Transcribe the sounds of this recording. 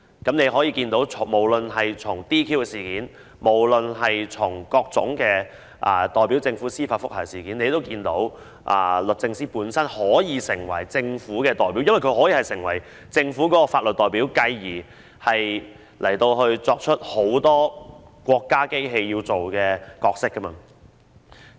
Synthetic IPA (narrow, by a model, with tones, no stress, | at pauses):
kɐ˨˥mne˨˧jɦɔː˨˥jiː˧kiː˧nt̪o˨˥wt͡sʰʊ˨˩mo˨˩wlɵ˨nhɐ˨jt͡sʰʊ˨˩ŋt̪iː˥kʰiː˥wkɛː˧siː˨˩kiː˨˥n | mo˨˩wlɵ˨nɦɐ˨jt͡sʰʊ˨˩ŋkɔː˧k̚t͡sʊ̰˨˥ŋkɛː˧ | ʔɐ˨˧t̪ɔː˨jpi˨˥wt͡sɪ˧ŋfuː˨˥siː˥faː˧t̚fʊ˥k̚hɐ˨˩siː˨˩kiː˨˥ne˨˧t̪o˥wkiː˧nt̪o˨˧˥w | ʔɐ̰ː˧lɵ˨t̚t͡sɪ˧ŋsiː˥puː˨˥nsɐ˥nhɔː˨˥jiː˨˧sɪ˨˩ŋwɐ̰˨˩jt͡sɪ˧ŋfuː˨˥kɛː˧t̪ɔː˨jpiː˨˥wjɐ˥wjkʰɥhɔː˨˥jiː˨˩hɐ˨˩jsɪ˨˩ŋwɐ˨˩j | t͡sɪ˧ŋfuː˨˥kɔː˨˥kɔ˧faː˧t̚lə˨t̚t̪ɔː˨jpiː˨˥wkɐ˧jːiː˨˩ | hɐ˨j | lʔɐ˨˩jt̪o˧wɦɵ˧ɥt͡sɔː˧k̚t͡ʃʰɵ˥t̚ho˨˥wt̪ɔː˥ | kʷɔː˧kːaː˥ke˥jɦe˧jjiː˧wt͡so˨wkɛː˧kɔː˧k̚sɪ˥kːɐ˥mɐ̰˧